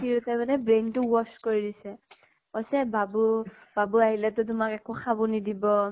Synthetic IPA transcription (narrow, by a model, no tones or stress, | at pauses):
iɹutɛmanɛbɹentʊwɔskoɹidisɛ | ɔsɛbabub̥abuaɦilɛtʊt̬ʊmakɛkʊxabunidibɔ